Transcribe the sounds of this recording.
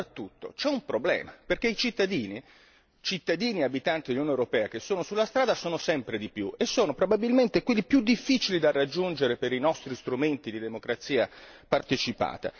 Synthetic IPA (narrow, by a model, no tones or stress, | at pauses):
t̪ːut̪ːo̰t͡ʃɛumpɾoblɛ̰ːmaperkeit͡ʃit̪ːad̪iːni | t͡ʃit̪ːad̪iːniabit̪ant̪id̪elunjonewɾopɛːak̟esːoːnosulːast̪ɾaːd̪asoːnosɛmpɾed̪ipjuʔesːoːnopɾobabilment̪ekwelːipjud̪ifːit͡ʃilid̪arːad͡ʒːund͡ʒeɾepeɾinɔst̪ɾist̪ɾument̪id̪id̪emokɾat̪sːiːapart̪et͡ʃipa̰ːt̪a̰